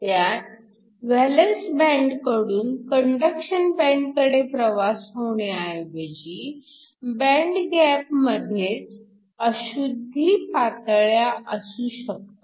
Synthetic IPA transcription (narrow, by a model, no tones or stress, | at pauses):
t̪jat | ʋælənsbæ̃ɳɖkəɽuːnkəɳɖəkɕənbɛ̃ɳɖkəɽepɾəʋasɦoɳ̃eaɦejʋəd͡ʑi | bæ̃ɳɖɡæpməd̪ʱjet͡s | əɕud̪ʱːipat̪ɭjaʔəsũːɕək̚t̪o